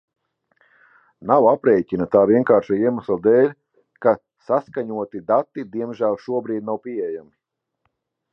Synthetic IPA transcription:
nawapɾɛjcʲinat̪aːviɛnkaːɾʃaiɛmaslˠad̪ɛːlʲ | ka | saskaɲuɔt̪id̪at̪ːid̪iɛmʒælˠʃuɔbɾiːd̪̚nawpiɛjami

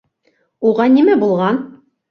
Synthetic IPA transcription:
uʁɑnimæbulˠʁɑn

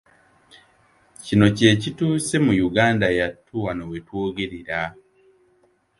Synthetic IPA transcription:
cino̞ce̞ːcituːse̞mujuɡaːndajatʰːuwanowetwoːɡeɾiɾa

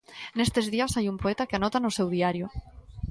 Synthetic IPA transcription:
nest̪ezðiasajumpoɛt̪akeanɔt̪anʊsewðiaɾjʊ

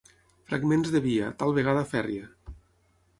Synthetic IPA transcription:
fɾa̰ɡmenzðeβiat̪alˠβeɣ̞aðəfɛrjə

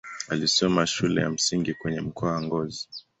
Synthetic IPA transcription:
alisɔmaʃulɛ̰ja̰m̩siŋɡikwɛɲɛm̩kʰɔawaŋɡɔzi

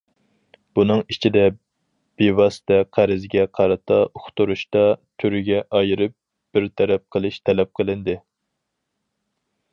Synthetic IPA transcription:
b̥unɨŋit͡ʃʰid̪ɛ | b̥ewɑsɪ̥t̪ʰɛqʰæɾɪzɡʲɛqʰɑɾɨt̪ʰɑʔoχt̪uɾuʃt̪ɑt̪ʰyɾyɡʲɛʔɑjɨɾɨp̚ | b̥ɪɾt̪ʰɛɾɛp̚qʰəlˠɪʃt̪ʰɛlɛp̚qʰəlˠɪnd̪ɪ

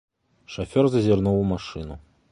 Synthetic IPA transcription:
ʂafʲɔrzɐzʲɪrnuwmaʂɨnu

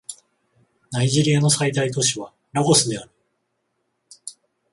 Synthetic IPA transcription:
naiʑiɾʲijano̞sait̪ait̪o̞ɕiβa | ɾaɡo̞sɨd̪e̞aɾɯ̟

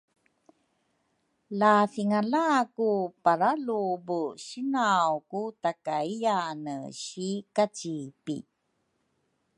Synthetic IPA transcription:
lafiŋalakupaɾalubuɕinawkutakaijanəɕikat͡ɕipḭ

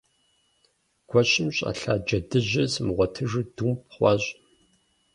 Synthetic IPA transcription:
ɡ̥ʷɔɕɪmɕʼa̰ːɬaːd͡ʒɐdɨʑɐsmʁʷɔtʰɨʐɨdumpχʷɑːɕʼ

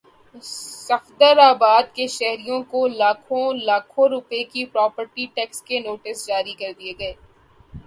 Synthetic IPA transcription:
sɐxd̪əɾaːbaːd̪keʃɛɦɾijõkolaːkʰõlaːkʰõɾʊpekipɾɔːpəɾʈiʈɛːkskenoːʈɪsd͡ʒaːɾikɐɾd̪ieɡɐeː

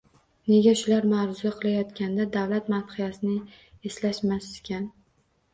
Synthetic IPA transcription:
ne̞ɡʲaʃʊlaɾmaɾzaqʰɨlajɒt̪kʲand̪ad̪awlat̪manχɨjasɪnɪ | eslaʃmaskʲʰan

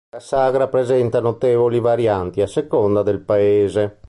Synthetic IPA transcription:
lasaɡɾapɾezɛnt̪anot̪eːvolivaɾjant̪iasːekond̪ad̪elpaeːze

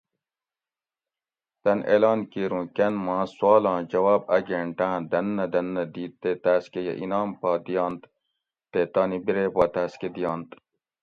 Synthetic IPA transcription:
t̪ɐnḛːlɑːnkiːɾũːkɐnmãːswaːlɑ̃ːd͡ʑɐwaːb̚ɐɡẽːɳʈãːd̪ɐnːɐd̪ɐnːɐd̪iːt̪ːet̪æːskejḛʔinaːmpaːd̪ijɑːnt̪ | t̪et̪aːnibiɾeːbɑːt̪aːsked̪ijɑːnt̪

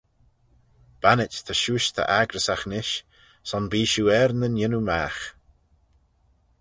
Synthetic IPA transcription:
b̥anɪt͡ʃt̪ʰəʃuːʃt̪ʰə̰ʔaɡɾəsaxnɪʃ | sɔnbiːʃuːɛɾnənjɪnumaːx

